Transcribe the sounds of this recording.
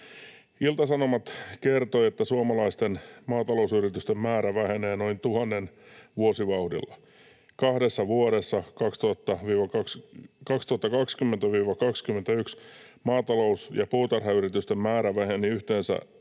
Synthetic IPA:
ilt̪ɑsɑnomɑt̪kert̪oiet̪ːæsuɑmɑlɑist̪enmɑːt̪ɑlousyrit̪yst̪emmæːɾæʋæhene̞ːnoint̪uhɑnːenʋuosiʋɑuhdḭlːɑ | kɑhdesːɑʋuoɾesːɑkɑkst̪uhɑt̪ːɑʋiːʋɑkɑkskɑkst̪uhɑt̪ːɑkɑkskymːent̪æʋiːʋɑkɑkskyment̪æyksmɑːt̪ɑlousjɑpuːt̪ɑrhɑyɾit̪yst̪emmæːɾæʋæheniyht̪eːnsæ̰

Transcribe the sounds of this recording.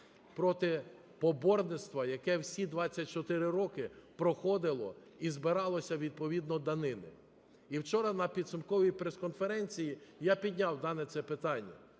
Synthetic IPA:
pɾɔt̪ɪ | pɔbɔrnɪt̪st̪ʋɐjɐkɛwsʲid̪ʋɑt͡sʲːɐt̚ʲt͡ʃɔt̪ɪɾɪɾɔkɪpɾɔxɔd̪ɪlˠɔ | izbɪɾɑlˠɔsʲɐʋʲid̪̚pɔʋʲid̪nɔd̪ɐnɪnɪ | iwt͡ʃɔɾɐnɐpʲid̪sʊmkɔʋʲijpɾeskɔnfeɾɛnʲt͡sʲijijapʲid̪ʲnʲawd̪ɑnɛt̪sɛpɪt̪ɑnʲːɐ̰

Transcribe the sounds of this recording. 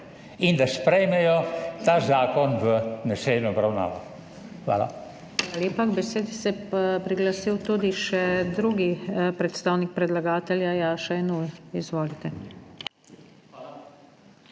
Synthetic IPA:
ind̪aspɾɛjmɛjɔt̪aːzaːkɔnʋənaselnɔɔbɾawna̰ːʋɔ | xʋa̰ːla̰ | ʋaːlaljeːpaɡbɛseːd̪isɛpɾiɡlasiwt̪ud̪iʃɛd̪ɾuɡipɾɛt̪st̪aːwnik̚pɾɛd̪laɡaːt̪ɛljajaːʃaɛnujizʋoːlit̪ɛ

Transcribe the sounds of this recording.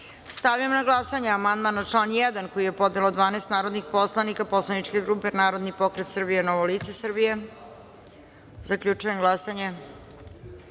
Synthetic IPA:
st̪aʋijamnaɡlˠasaɲeamand̪manat͡ʂlˠanjɛd̪anko̞jije̞po̞d̪nelod̪ʋaːneːst̪naːɾod̪nixpo̞slˠanikapo̞slˠaniʈ͡ʂke̞ɡɾupe̞naːɾo̞d̪nipo̞kɾet̪srbijenoʋolit̪sesrbije̞ | zakʎʲut͡ʂujemɡlˠasaɲe

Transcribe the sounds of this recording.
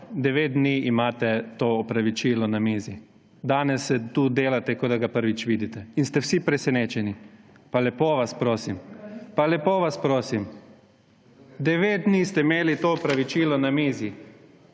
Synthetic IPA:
d̪ɛʋeːt̪̚d̪niimaːt̪ɛt̪oːɔpɾaʋit͡ʃiːlɔnamiːzi | d̪aːnɛsːɛt̪uːd̪eːlat̪ɛkɔd̪aɡapəɾʋit͡ʃʋiːd̪it̪ɛinst̪ɛwsipɾɛsɛneːt͡ʃɛni | palɛpoːʋaspɾoːsimpalɛpoːʋaspɾoːsim | d̪ɛʋeːt̪̚d̪niːst̪ɛimeːlit̪oɔpɾaʋit͡ʃiːlɔnamiːzi

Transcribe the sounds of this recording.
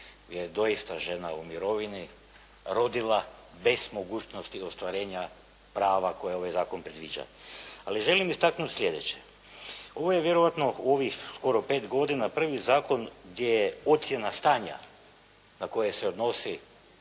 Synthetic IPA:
jed̪o̞jist̪aʒe̞naumiɾo̞ʋini | ɾo̞d̪ilˠa | be̞z̥mo̞ɡuːt͡ɕnost̪iost̪ʋaɾe̞ːɲa | pɾaːʋako̞jeo̞ʋajzaːkonpɾed̪ʋḭːd͡ʒa̰a̰liʒe̞limist̪aknut̪slʲe̞d̪et͡ɕe | o̞ʋojeʋjeɾoʋat̪no̞uo̞ʋixsko̞ɾopeːt̪ɡo̞d̪inapr̩ʋizaːko̞nɡd̪jejeo̞t̪sje̞nast̪aːɲa̰ | nako̞jeseod̪no̞si

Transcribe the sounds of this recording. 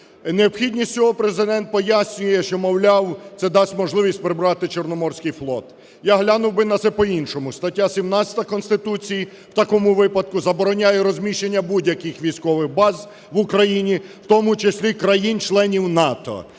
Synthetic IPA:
neɔpxʲidʲnʲisʲt͡sʲɔɦɔpɾezɪd̪ɛnt̪̚pɔjasʲnʲʊjɛʃt͡ʃɔmɔwlʲɑwt̪sɛd̪ɑsʲtʲmɔʒlˠɪʋʲisʲtʲpɾɪbɾɑt̪ɪt͡ʃernɔmɔrsʲkɪjflˠɔt̪ | jaɦlʲanʊwbɪnɐt̪sɛpɔinʃɔmʊst̪ɐtʲːasʲimnasʲɐ̥t̪ɐkɔnst̪ɪt̪ut͡sʲij | wt̪ɐkɔmʊʋɪpɐd̪kʊzɐbɔɾɔnʲajɛɾɔzʲmʲiʃenʲːɐbudʲjɐkɪxʋʲijsʲkɔʋɪxbɑz | ʋʊkɾɐjinʲiwt̪ɔmʊt͡ʃesʲlʲikɾɐjint͡ʃlˠɛnʲiwnɑt̪ɔ̰

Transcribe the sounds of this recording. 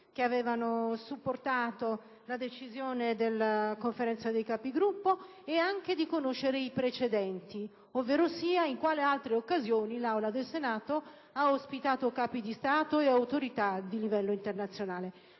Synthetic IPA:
k̟eavɛːvanosupːort̪aːt̪o | lad̪et͡ʃizjoːned̪elːakoɱfeɾɛnt̪sad̪ejkaːpiɡɾupːo | eaŋk̟ed̪ikonoʃːeɾeipɾet͡ʃed̪ɛnt̪i | ovːeːɾosiːaiŋkwaːlealt̪ɾeokːazjoːnilawlad̪elsenaːt̪o | aospit̪aːt̪okaːpid̪ist̪aːt̪oeawt̪oɾit̪ad̪ilivɛlːoint̪ernat̪sːjonaːle

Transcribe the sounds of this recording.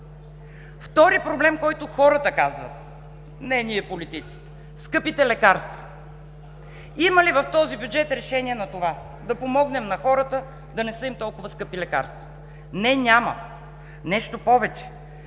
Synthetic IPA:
ft̪ɔɾipɾoblɛmkɔjt̪ʊxɔɾət̪əkazvə̰t̪ | nɛniɛpolit̪it̪si̥t̪ɛ̥ | skɤpit̪ɛlɛkaɾst̪və | iməlivɐft̪ɔzibjud͡ʒɛt̪ɾɛʃɛniɛnɐt̪ova | d̪ɐpomɔɡnɛmnɐxɔɾət̪ə | d̪ɐnɛsɤimt̪ɔlˠkʊvəskɤpilɛka̰ɾst̪və̥t̪ə̥ | nɛnʲamə̰ | nɛʃt̪opɔvɛt͡ʃɛ̥

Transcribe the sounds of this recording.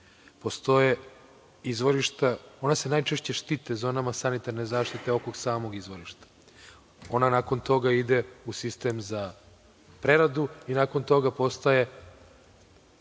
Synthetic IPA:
post̪o̞je | izʋo̞ɾiʃt̪ao̞nase̞naːjt͡ʃeʃt͡ɕe̞ʃt̪it̪ezoːnamasanit̪aɾnezaːʃt̪it̪eo̞koɡsaːmo̞ɡizʋoɾiʃt̪ḁ | o̞nanako̞nt̪o̞ɡaid̪e̞usist̪emza | pɾe̞ɾad̪uinako̞nt̪o̞ɡapo̞st̪aje̞

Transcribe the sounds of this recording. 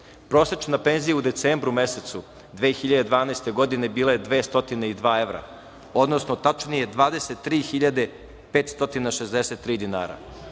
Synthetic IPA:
pɾo̞ːset͡ʃnape̞nzijaud̪e̞t̪seːmbɾume̞set̪su | d̪ʋeːxiʎad̪e̞d̪ʋaːnaest̪e̞ɡo̞d̪ine̞biːlˠajed̪ʋe̞ːst̪o̞t̪ineid̪ʋaːe̞ʋɾa̰ | o̞d̪no̞snot̪at͡ʃnije̞d̪ʋaːd̪e̞set̪ːɾiːxiʎad̪e̞ | peːt̪st̪o̞t̪inaʃezd̪eset̪ːɾiːd̪ina̰ːɾa̰

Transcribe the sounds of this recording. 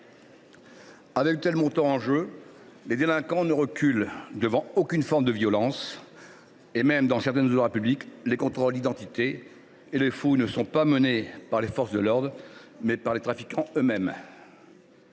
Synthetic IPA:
avɛkt̪ɛlmɔ̃t̪ɑ̃ɑ̃ʒøled̪elɛ̃kɑ̃nəʁəkʲyld̪əvɑ̃okʲynfɔʁmd̪əvjɔlɑ̃s | emɛmd̪ɑ̃sɛʁt̪ɛnzod̪ʁapybliklekɔ̃t̪χɔld̪id̪ɑ̃t̪it̪eː | lefunəsɔ̃pamənepaʁlefɔʁsd̪əlɔʁd̪ʁmɛpaʁlet̪χafikɑ̃ømɛm

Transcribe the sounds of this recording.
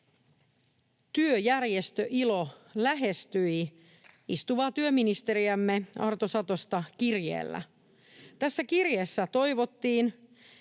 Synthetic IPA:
t̪yøjærje̞st̪øʔilo̞læɦe̞st̪yi | ist̪uʋɑːt̪yøminist̪e̞ɾiæmːeɑrt̪osɑt̪o̞st̪ɑkirjḛːlːæ̰ | t̪æsːækirjeːsːæt̪o̞jʋo̞t̪ːiːn

